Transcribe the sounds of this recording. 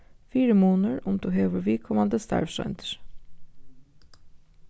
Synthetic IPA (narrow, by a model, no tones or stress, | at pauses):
fiːɾəmuːnəɹʊmd̪uːɦeːʋəɾʋɪːkʰɔmɑnd̪əst̪ʰɑ̰ɹfʃœ̰nt̪ʰə̥ɹ